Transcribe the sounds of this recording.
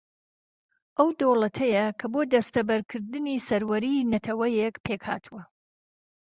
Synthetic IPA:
ʔɐwd̪owlˠɐt̪ʰɐjɐkʰɐboːd̪ɐst̪ɐbɐɾkʰɨɾd̪ɨnisɐɾwɐɾinɐt̪ʰɐwɐjekpʰeːkha̰ːt̪ʰuwɐ

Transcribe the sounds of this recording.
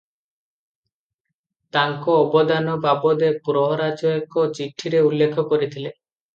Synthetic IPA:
t̪aŋkoːbɔd̪anɔbabɔd̪epuɾɔɦɔɾad͡ʒɔjekɔt͡ʃiʈʰːiɾeulːekʰɔkoɾit̪ʰile

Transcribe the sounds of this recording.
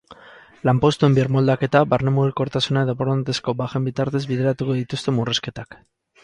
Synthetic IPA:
lampo̞st̪ue̞mbiɾmo̞ld̪ake̞t̪abaɾnemuɾeko̞ɾt̪asunaðopoɾnt̪e̞sko̞baxe̞mbit̪aɾt̪e̞zbiðe̞ɾat̪uko̞ðit̪ust̪e̞mureske̞t̪ak

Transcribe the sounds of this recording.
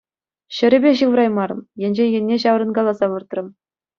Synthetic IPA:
ɕɘ̆ɾʲɘ̆bʲeɕɯʋrɑjmɑɾɤ̆mjĕnʲʑenʲjɘ̆nʲːeɕɑʋ̆rɤ̆nɡɑlˠɑzɑʋɯrt̪rɤ̆m

